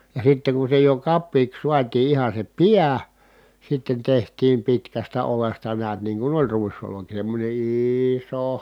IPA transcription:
jɑ sitːeŋ ku se jo kɑpːiːks suɑtiː ihɑ se piæ sitːen tehtˑiːm pitkæstæ olestɑ neæt niːŋ ku olʲ ruisoloki semːonʲe iːiso

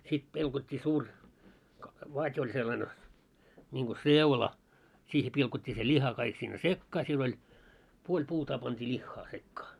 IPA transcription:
sit pilkotʲːiː suːr ʋɑtʲ olʲ selːɑne nʲiŋɡ̊o seulɑ siːhe pilkotʲːiː se lʲihɑ kɑik sinːe sekːɑː siel olʲ puolʲ puːtɑː pɑntʲiː lʲixːɑː sekːɑː

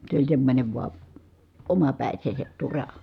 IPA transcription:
se olʲ semːonʲe ʋuɑ omɑpæˑi̯seːset turɑ

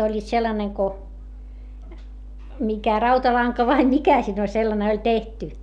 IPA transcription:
olʲːiːt selːɑneŋ ko mikæ rɑutɑlɑŋkɑ ʋɑi mikæ siːn olʲ selːɑne olʲ tehty

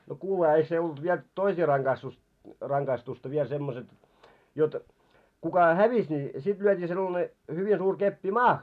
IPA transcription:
no kuːlehɑ eik se olt ʋiel toisiː rɑŋɡ̊ɑistus rɑŋɡ̊ɑistustɑ ʋiel semːoset jot kukɑ hæʋis ni sit lyøtʲiː selːɑne hyʋi suːr kepːi mɑːh

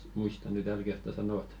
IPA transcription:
muistɑ ny tæl kertːɑ sɑnot

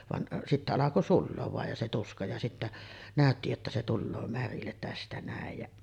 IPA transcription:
ʋɑn sitːæ ɑlɑko sulːoːʋ ʋɑˑej jɑ se tuskɑ jɑ sitːæ næˑøtːi jotːɑ se tulːoː mærilːet tæstæ næˑej jæʔ

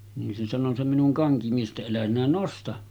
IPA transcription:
nin se sɑno se minuŋ kɑŋkimies ʔetːæ elæ sinæ nostɑ

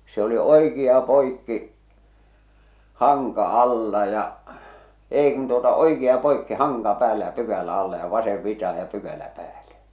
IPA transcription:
se oli oikiɑ poikːi hɑŋkɑ ɑlːɑ jɑ eˑi kun tuotɑ oikiɑ poikːi hɑŋkɑ pæːlːæ jɑ pykælæ ɑlːɑ jɑ ʋɑseʋ ʋitɑhɑ jɑ pykælæ pæːle

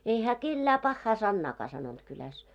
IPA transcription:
ei hæː kelːæː pɑhːɑː sɑnːɑːkɑː sɑnont kylæs

